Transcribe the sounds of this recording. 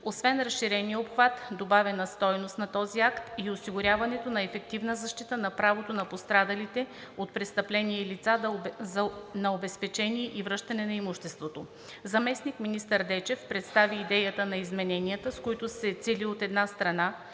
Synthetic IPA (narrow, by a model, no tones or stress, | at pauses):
osvɛnɾɐsʃːiɾɛnijəopxvat̪d̪obavɛnəst̪ɔjnost̪nɐt̪ɔziakt̪iosiɡʊɾʲavɐnɛt̪onɐɛfɛk̚t̪ivnəzɐʃt̪it̪ənɐpɾavot̪onɐpost̪ɾad̪əlit̪ɛot̪̚pɾɛst̪ɐplɛniɛilit̪saznɐobɛspɛt͡ʃɛniɛʔivɾɤʃt̪ɐnɛnɐimuʃt̪ɛst̪vot̪o | zɐmɛsnikminist̪əɾd̪ɛt͡ʃɛfpɾɛt̪st̪aviːd̪ɛjət̪ənɐizmɛnɛniət̪əskoit̪osɛt̪siliot̪ɛd̪nast̪ɾɐna